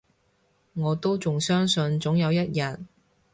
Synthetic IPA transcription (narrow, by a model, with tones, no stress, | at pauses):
ŋɔː˨˧t̪o˥wt͡sʊ˨ŋsœː˥ŋsɵ˧nt͡sʊ˨˥ŋjɐ˨˧wjɐ˥t̚jɐ˨˩t̚